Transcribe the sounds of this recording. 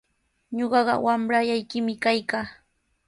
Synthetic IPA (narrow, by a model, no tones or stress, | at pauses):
ɲoɢɑɢɑ̰wamɾajajkɪmɪkajkaː